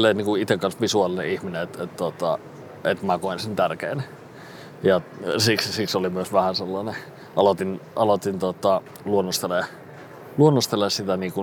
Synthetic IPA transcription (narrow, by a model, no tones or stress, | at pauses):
lːeiniːŋkuit̪ekkːɑnsʋisuɑlinḛihmineet̪et̪t̪ot̪ɑ̰ | et̪mækoinsent̪ærkeːn | jɑsikssiksolimyøsʋæhænselːɑne | ʔɑlot̪inʔɑlot̪int̪ot̪ːɑ | luonːost̪ele | luonːost̪elːˑessit̪æniːku